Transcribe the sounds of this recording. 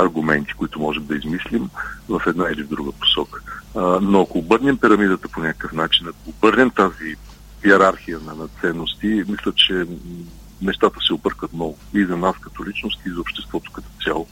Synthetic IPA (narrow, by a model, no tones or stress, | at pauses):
ɐɾɡʊmɛnt̪i̥kʊit̪ʊmɔʒɛmd̪ɐizmislimvɐfɛd̪nailivd̪ɾuɡəpo̥sɔkə̥noɐkoːbɤɾnʲɛmpiɾɐmid̪ət̪əponʲakə̥kəfnat͡ʃinɐkoːbɤɾnɛmt̪azi | iɛɾaɾxijənɐnɐt̪sɛnːost̪imislʲət͡ʃɛ | nɛʃt̪at̪əsɛʊbɤɾkət̪nɔɡʊizɐnaskɐt̪ɔlit͡ʃnost̪iːzɐopʃt̪ɛst̪vɔt̪ʊ̥kɐt̪ɔ̥t̪sʲalˠo